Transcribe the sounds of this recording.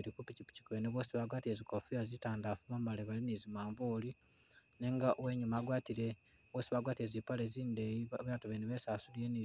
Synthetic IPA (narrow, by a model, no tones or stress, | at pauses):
ɾikupicipi̥ci̥kuβeneβosiβaːɡwaːtiezikofiazitaːndafumamaleβalinizimaːɱvuli | ne̞ŋɡaʔoweɲumaːɡwaːtiɾe | βwoːsiβaːɡwaːtiezipaleziːndeβaatuβeniβesaːsulieni